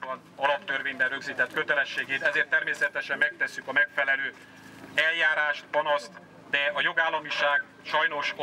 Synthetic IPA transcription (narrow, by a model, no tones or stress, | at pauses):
bɒnɒlɒpt̪ørveːɲbɛnrøɡziːt̪ɛt̪køt̪ɛlɛʃːeːɡeːt̪ɛzeːrt̪ːɛrmeːsɛt̪ɛʃɛmːɛk̚t̪ɛsːykɒmɛkfɛlɛløː | ɛljaːɾaːʃt̪pɒnɒst̪ | d̪ɛɒjo̞ɡaːlːɒmiʃaːɡ | ʃɒjno̞ʃ